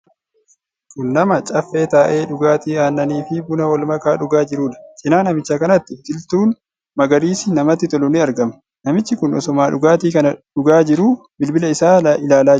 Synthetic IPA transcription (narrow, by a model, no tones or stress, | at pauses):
kʊnːɐmɐt͡ʃʼɐfːe̞ːt̪aːʔe̞ːᶑʊɡaːt̪iːaːnːɐniːfɪbʊnɐwɔlmɐkaːᶑʊɡaːd͡ʒɪɾuːᶑɐ̥t͡ʃʼɪnaːnɐmɪt͡ʃːɐkɐnɐt̪ːɪft̪ɪlt̪uːn | mɐɡɐɾiːsɪnɐmɐt̪ːɪt̪ɔlʊnɪɐɾɡɐmɐ̥ | nɐmɪt͡ʃːɪkʊnʔɔ̰sɔmaːᶑʊɡaːt̪iːkɐnɐᶑʊɡaːd͡ʒɪɾuː | bɪlbɪlɐɪsaːʔɪlaːlaː